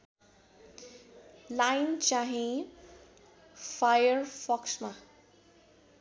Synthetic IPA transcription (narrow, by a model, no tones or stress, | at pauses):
lajnt͡ʃaɦĩ | fʰajəɾfʰɔksma